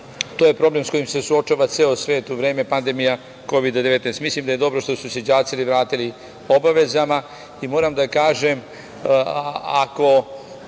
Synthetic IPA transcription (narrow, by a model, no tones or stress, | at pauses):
t̪oje̞pɾo̞ble̞msko̞jimse̞suo̞t͡ʃaːʋat̪seosʋe̞ːt̪uʋɾeːme̞pand̪emija | ko̞ʋid̪ad̪eʋe̞t̪nest̪mislimd̪aje̞d̪o̞bɾo̞ʃt̪o̞sused͡ʑaːt̪siliʋɾaːt̪ili | o̞baʋe̞zama | imo̞ːɾamd̪akaːʒem | ako̞